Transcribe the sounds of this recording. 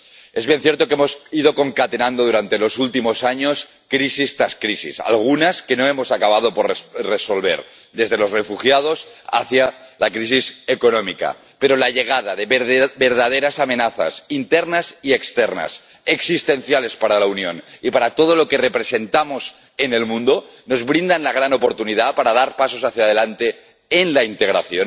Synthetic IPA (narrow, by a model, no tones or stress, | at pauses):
e̞zβjenθjeɾt̪o̞kemo̞sið̞o̞ko̞ŋkat̪e̞nãnd̪oðuɾant̪e̞lo̞sult̪imo̞saɲo̞s | kɾisist̪ɾaskɾisḭsa̰lɣ̞unaske̞no̞e̞mo̞sakaβ̞að̞o̞po̞ɾreso̞lβe̞̰ɾ | d̪e̞zð̞elo̞zre̞fuxjað̞o̞sa̰θjalakɾis̬ise̞ko̞nõ̞mika̰ | pe̞ɾolaʎe̞ɣ̞að̞aðe̞be̞ɾðað̞eɾasame̞naθa̰sint̪eɾnasiekst̪eɾna̰s | eksist̪e̞nθjale̞spaɾalaunjo̞nipaɾat̪o̞ð̞o̞lo̞ke̞re̞pɾe̞se̞nt̪amo̞s | ene̞lmũnd̪o | no̞zβɾind̪anlaɣ̞ɾano̞po̞ɾt̪uniðapaɾað̞aɾpaso̞saθjað̞e̞lant̪e̞ː | nlaint̪e̞ɣɾaθjo̞n